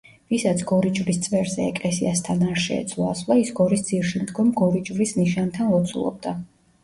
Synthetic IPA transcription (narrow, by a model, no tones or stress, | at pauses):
visat̪sʰɡ̥ɔɾit͡ʃʼvɾist̪sʼvɛɾzɛɛkʼlɛsiast̪ʰanaɾʃɛ̰ɛ̰t̪sʰlˠɔasvlˠaisɡɔɾisd̪ziɾʃimd̪ɡɔmɡɔɾit͡ʃʼvɾisniʃant̪ʰanlˠɔt̪sʰṵlˠɔ̰b̚d̪a